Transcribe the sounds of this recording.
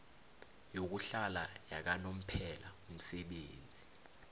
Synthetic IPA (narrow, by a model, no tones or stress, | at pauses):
jok̬uɬalajak̬anom̩pʰɛlaum̩sɛɓeːnd͡zʱi